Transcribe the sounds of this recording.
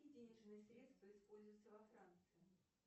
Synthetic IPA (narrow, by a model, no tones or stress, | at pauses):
idʲenʲɪʐnɨjəsɾʲe̞t̪st̪vəɪspo̞lʲzʊjt̪səvɐfɾant̪sɨjɪ